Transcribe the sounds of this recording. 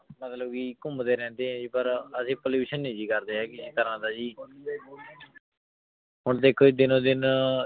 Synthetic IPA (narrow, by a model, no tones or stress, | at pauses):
mət̪ləbkiːkʊmd̪eːɾɛ̃ːnd̪eːɦɛ̃ːd͡ʒiːpəɾəsĩːpəliːbɪʃənːĩːd͡ʒiːkəɾd̪eːɦɛːkɪsk̪əɾãːd̪aːd͡ʒiː | ɦʊɳt̪eːkʰoːd͡ʒid̪ɪnõːd̪ɪn